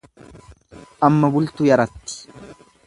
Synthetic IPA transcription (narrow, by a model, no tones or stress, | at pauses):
ʔɐmːɐbʊlt̪ʊjɐɾɐt̪ːɪ̥